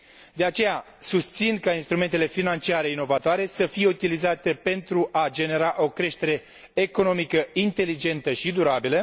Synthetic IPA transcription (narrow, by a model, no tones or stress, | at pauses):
d̪e̞at͡ʃe̞ja | sust̪sinkainst̪ɾume̞nt̪e̞le̞finant͡ʃiaɾe̞ino̞vat̪oaɾe̞səfije̞ut̪ilizat̪e̞pe̞nt̪ɾuʔad͡ʒe̞ne̞ɾaʔo̞kɾe̞ʃt̪e̞ɾe̞ː | ko̞no̞mikəint̪e̞lid͡ʒe̞nt̪əʃid̪uɾabilə